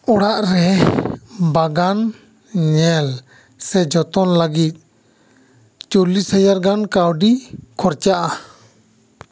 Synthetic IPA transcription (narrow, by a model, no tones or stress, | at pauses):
ɔɽaʔɾɛ | baɡan | ɲɛl | sɛd͡ʒɔt̪ɔnləɡit̪̚ˀ | t͡ʃolishad͡ʒaɾɡankawɖikʰɔɾt͡ʃaʔa